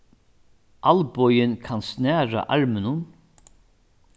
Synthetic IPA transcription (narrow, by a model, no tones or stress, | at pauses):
ʔalbɔjɪnkʰansnɛːɹa̰ʔɑɹmɪnʊn